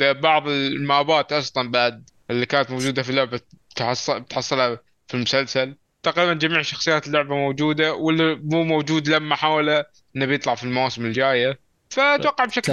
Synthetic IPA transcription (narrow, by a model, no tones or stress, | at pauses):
bɑʕðˤɪlmaːbaːt̪ʔɑsˤlɑnbaʕd̪̚ | ɪlːikaːnat̪mowd͡ʒuːd̪afilːʊʕbat̪ħɑsˤːbɪt̪ħɑsˤːɨlha | filmʊsalsal | t̪aqɾiːband͡ʒamiːʕʃɑxsˤɨjaːt̪ɪlːʊʕbamowd͡ʒuːd̪awɪlːimuːmowd͡ʒuːd̪lamːaħaːwala | ʔɪnːabjɨt̪ˤlɑʕfilmawaːsɪmɪld͡ʒaːja | fat̪wɑqːɑʕbʃak